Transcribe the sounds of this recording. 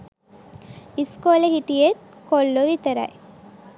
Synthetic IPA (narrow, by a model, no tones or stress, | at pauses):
iskoːləhiʈijet̪̚kolːoʋit̪ɐɾɐ̰j